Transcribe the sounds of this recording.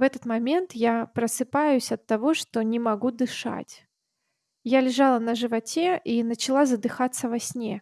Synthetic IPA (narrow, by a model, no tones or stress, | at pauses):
vɛt̪ət̪mɐmʲe̞nt̪japɾəsɨpajʉsʲɐt̪ːɐvo̞ʂt̪o̞nʲɪmɐɡud̪ɨʂa̰tʲ | jalʲɪʐalˠənəʐɨvɐtʲeʔinət͡ɕɪlˠazəd̪ɨxat̪sːəvɐsʲnʲe